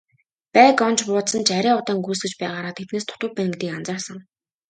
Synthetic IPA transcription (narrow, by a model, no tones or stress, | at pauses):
pæːkɔnt͡ɕpʊːt̪sə̆nt͡ɕʰaɾʲæːʊt̪aːŋɡuːsɡɘ̆t͡ɕpæːʁaːɾaːt̪ʰet̪neːst̪ʰʊ̥t̪ʊ̆p̚pmæn̆kt̪iːkant͡saːrsə̆ŋ